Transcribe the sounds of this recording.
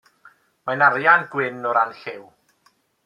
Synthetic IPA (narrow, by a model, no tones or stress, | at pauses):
majnaɾjanɡwɪnɔɾanɬɪw